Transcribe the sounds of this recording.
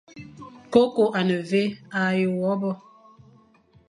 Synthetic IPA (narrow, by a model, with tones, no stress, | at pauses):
ko˦ko˨ʔa˨nə˨ve˦a˨jə˨wɔ˨˦bɔ˦